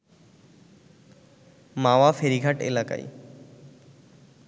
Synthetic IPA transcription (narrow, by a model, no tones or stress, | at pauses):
mawafeɾiɡʱaʈḛlaka̰j